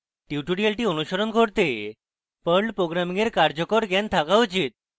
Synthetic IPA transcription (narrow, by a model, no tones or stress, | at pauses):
ʈiʈuɽialʈiːənuɕəɾɔnɡʱoɽt̪e | pəɭɖpɾoɡɾamiŋɡeɾkaɾd͡ʑɔkɔɾɡjɛnt̪ʰakaʋd͡ʑit̪̚